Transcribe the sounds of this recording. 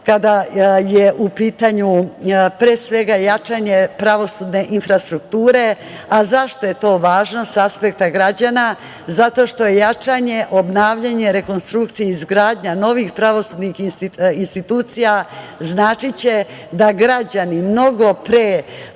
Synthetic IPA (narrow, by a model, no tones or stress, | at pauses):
kad̪ajeʔupiːt̪aɲupɾesʋe̞ɡajat͡ʂaɲe̞pɾaʋo̞suːd̪ne̞ʔinfɾast̪ɾukt̪uːɾe̞ | azaʃt̪o̞je̞t̪o̞ːʋaːʒno̞saspek̚t̪aɡɾad͡ʑana | zat̪o̞ʃt̪o̞je̞jat͡ʂaɲe̞ʔo̞bnaːʋʎaɲe̞ɾe̞ko̞nst̪ɾukt̪sijeizɡɾaːd̪ɲano̞ʋixpɾaʋosuːd̪nixiinst̪it̪uːt̪sija | znaːt͡ʃit͡ɕe̞d̪aɡɾad͡ʑanimno̞ɡopɾe